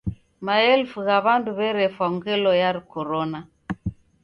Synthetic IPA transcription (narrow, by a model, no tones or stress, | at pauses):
maɛlfuɣaβanduβɛɾɛfwaŋɡɛlɔjaɾikɔɾɔna